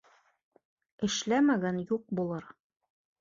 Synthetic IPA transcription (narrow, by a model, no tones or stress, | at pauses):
ɘ̆ʃlæmæɡænjuq̚bulˠɤɾ